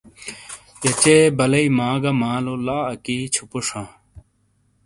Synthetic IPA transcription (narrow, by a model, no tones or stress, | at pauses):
jɐt͡ɕeːbɐlɐimaːɡɐmaːlolaːɐkiːt͡ɕʰupuʂãː